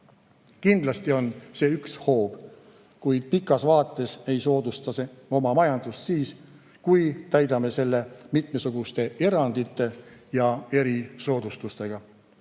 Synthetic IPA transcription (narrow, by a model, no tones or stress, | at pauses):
kind̪lɑst̪io̞nse̞yksho̞ːb̥ | kujd̪̥̚pikːˑɑsvɑːt̪ˑːe̞se̞jso̞ːd̪ust̪ɑseo̞mɑmɑjɑnd̪̥ust̪siːs | kujt̪æjd̪ɑme̞se̞lːe̞mit̪me̞suɡ̥ust̪e̞e̞ɾɑnd̪̥it̪ːˑe̞jɑe̞ɾiso̞ːd̪̥ust̪ust̪e̞ɡ̥ɑ